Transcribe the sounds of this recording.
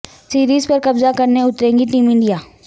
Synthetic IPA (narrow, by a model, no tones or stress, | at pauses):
siːɾiːzpɐɾkɐbzakɐɾneʊt̪ɾẽːŋɡiʈiːmɪ̃ɳɖijaː